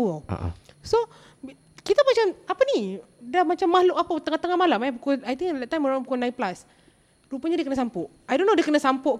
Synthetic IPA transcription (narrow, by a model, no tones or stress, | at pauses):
wəl̰so | kit̪amat͡ʃamapəni | dahmat͡ʃamːahloʔapat̪əŋaht̪əŋamalamapukɔajt̪ĩŋdɛt̪ːaj̃maɹãnpəkɔnãjnplas | ɾupaɲadiəkənasampɔʔ | ajdonːodiəkənasampɔʔ